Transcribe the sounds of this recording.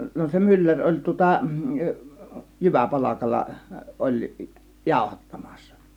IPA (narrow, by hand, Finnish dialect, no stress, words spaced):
no se mylːær olʲ tŭŏtɑ jyʋæpɑlɑkɑlːɑ olʲ jɑˑo̝hɑtːɑmɑ̥sːɑ̥